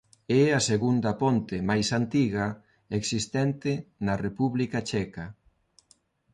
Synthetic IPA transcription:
ɛaseɣund̪ɐpont̪ɪmajsant̪iɣɐ | eksist̪ɛnt̪ɪnɐrepuβlikat͡ʃɛkɐ

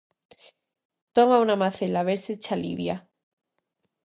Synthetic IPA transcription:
t̪omaunamaθelaβeɾset͡ʃalḭβja

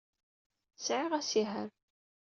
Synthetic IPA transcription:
sʕɪʁæsiɦəɾ

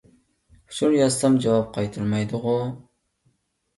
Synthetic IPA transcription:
ʊʃuɾjɑst̪ɑmd͡ʒɑwɑp̚qʰɑjt̪ʰuɾmɑjd̪ʊʁʊ

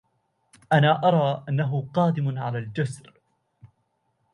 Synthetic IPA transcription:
ʔanaːʔɑɾˤɑːʔanːaɦʊqɑːd̪ɪmʕalaːld͡ʒasɾ

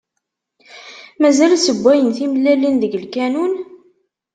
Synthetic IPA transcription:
mæzælsəbʷːæjənθimlːælːinðəɡəlkænun

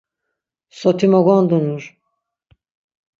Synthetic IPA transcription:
sot̪ʰimoɡond̪unuɾ̥

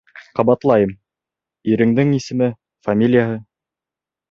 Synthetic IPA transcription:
qɑβɑt̪lˠɑjɤm | iɾɘ̆ŋd̪ɘŋisɘ̆mɘ | famʲilʲɪjaɦɤ

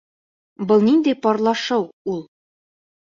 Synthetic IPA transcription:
bɤlˠnind̪ɘjpɒɾlˠɑʃɤwulˠ

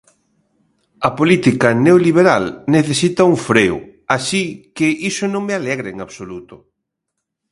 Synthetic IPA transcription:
ɐpolit̪ikɐneoliβ̞eɾalneθesit̪ɐuɱfɾeʊ̰aʃikɪʔisʊnõŋmealɛɣɾaeŋaβsolut̪ʊ

